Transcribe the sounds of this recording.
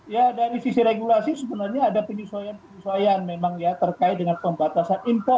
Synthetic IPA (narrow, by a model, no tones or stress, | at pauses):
jadaɾisisiɾeɡulasisəbənarɲaːdapəɲisuajanpəɲisuajanmemaŋjat̪ərkaɪt̪̚dəŋanpəmbat̪asanimpɔ